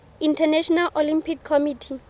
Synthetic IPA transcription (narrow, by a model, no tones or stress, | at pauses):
intʰanɛʃɔnalʔolimpʰikʰːɔmitʰi